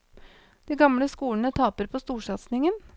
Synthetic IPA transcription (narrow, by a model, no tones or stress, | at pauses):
d̪̥iːɡɑmləskuːəɳət̪ʰɑːpəɾpʰoːst̪uːʂɑt̪snɪŋən